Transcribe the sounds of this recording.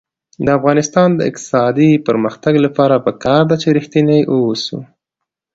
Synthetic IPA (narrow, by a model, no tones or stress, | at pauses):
d̪əafɣɑnɪst̪ɑnd̪əɪ̰q̚t̪ɪ̥sɑd̪ipəɾməxt̪aɡlapɑɾapəkɑɾd̪at͡ʃeɾixt̪inajʔosṵ